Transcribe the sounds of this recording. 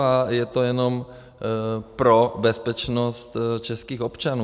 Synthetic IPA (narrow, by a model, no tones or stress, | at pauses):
ajɛt̪ojɛno̞m | pɾobɛspɛt͡ʃnost̪t͡ʃɛskiːxopt͡ʃanu